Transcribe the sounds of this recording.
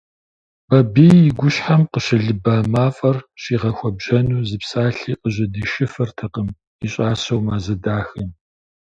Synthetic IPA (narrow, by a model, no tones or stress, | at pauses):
b̥ɐbiːɪɡʷʊɕħamqəʃɪɮɨbaːmaːfʼɐrɕiːʁɐxʷɔbʒɐnuːzɨpsaːɬiːʔəʑɪdiːʃɪfɐrtʰɐqəm | iɕʼaːsɐwmaːzɐdaːxɨm